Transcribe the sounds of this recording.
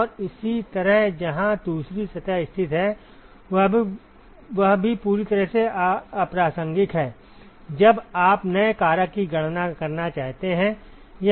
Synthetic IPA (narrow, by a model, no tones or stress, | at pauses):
ɔːɾɪsit̪ɐɾəɦd͡ʒɐɦãd̪uːsɾisɐt̪aɪst̪ʰɪt̪ɦɛ | ʋɐɦbʱipuːɾit̪ɐɾəɦseɐpɾaːsə̃ŋɡɪt̪ɦɛː | d͡ʒɐbaːpnɐekaːɾakiɡɐɽ̤̃nakɐɾnat͡ʃaːɦt̪eɦɛ̃ | ja